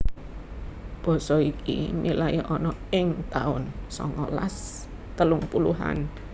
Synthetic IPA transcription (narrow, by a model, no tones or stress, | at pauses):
b̥ɔ̤sɔikḭmilajiʔɔnɔɪŋt̪aʊnsɔ̰ŋɔla̰s | t̪əlʊŋpuluɦa̰n